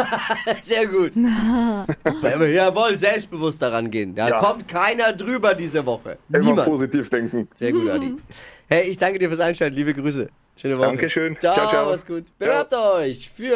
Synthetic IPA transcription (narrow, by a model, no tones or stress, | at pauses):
zeːɐɡuːt | vɛvijavɔlənzɛlpst̚b̥əvʊstd̥aʁanɡeːəndaːkʰɔmtkʰaɪnɐdʁyːbɐdiːzəvɔχə̰nɛiːmanpoːzitʰiːfd̥ɛŋkŋ̩z̥eːɐɡuːtadihɛɪɪçd̥aŋkədiɐfyɐsaɪnʃtɛltn̩liːbəɡʁyːs̬ə̰ | ʃøːnəvɔaŋəəʃøːnt͡ʃaaasɡ̥uːtb̥əvɛɐɐp̚tɔɪçfyːɐ